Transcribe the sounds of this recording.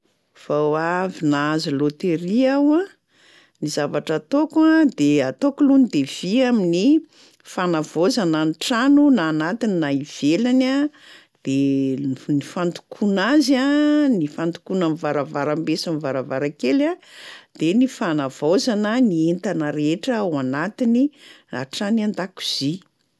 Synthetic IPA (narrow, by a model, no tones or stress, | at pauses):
fawavinaazilot̪eɾiawã | nizavaʈ͡ʂat̪okad̪eat̪okulunid̪ev̥iamini | fanavozananʈ͡ʂanunaːnat̪ininaiv̥elana | d̪̥e | nifant̪u̥kʰunazanifant̪u̥kunanivaɾavaɾambesanivaɾavaɾakelad̪̥enifanav̥ozanənient̪anəɾeeʈ͡ʂəwanat̪inina̰ʈ͡ʂanand̪aku̥z̥i